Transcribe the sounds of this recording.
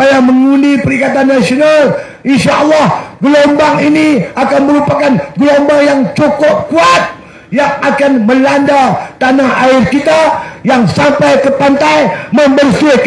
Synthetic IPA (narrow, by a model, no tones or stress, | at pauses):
ajaməŋundipəɾikat̪anːasional | ʔinʃaʔɑlːɑhɡəlombaŋiniakanməɾupakanɡəlombajaŋt͡ʃukɔp̚kuat̪̚ | jaŋakanməlandat̪anahaɪrkit̪ajaŋsampajkəpant̪ajməmbərsɪh